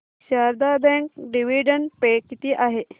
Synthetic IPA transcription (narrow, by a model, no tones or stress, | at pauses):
ɕaɾd̪abɛ̃ŋk̚ɖiʋiɖənpekit̪iːʔaɦe